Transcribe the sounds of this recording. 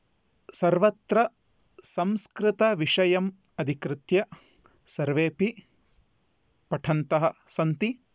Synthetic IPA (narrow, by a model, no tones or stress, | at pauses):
sɐɾʋɐt̪ɾɐ | sɐmskɾɪt̪ɐʋiʂɐjɐm | ɐd̪ʱikɾɪt̪jɐ | sɐɾʋeːpi | pɐʈʰɐnt̪ɐɦɐ̆sɐnt̪i